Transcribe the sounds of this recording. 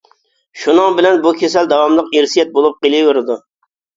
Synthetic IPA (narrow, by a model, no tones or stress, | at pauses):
ʃunɨŋbɪlɛnbukʲʰesæld̪ɑwɑmlˠɨqeɾsijɛt̪̚bolˠʊp̚qilˠiweɾɪd̪ʊ